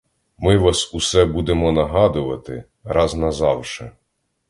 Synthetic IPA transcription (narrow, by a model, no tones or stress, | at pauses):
mɪʋɑsusɛbud̪emɔnɐɦɑd̪ʊʋɐt̪ɪ̰ | ɾɑznɐzɑwʃɛ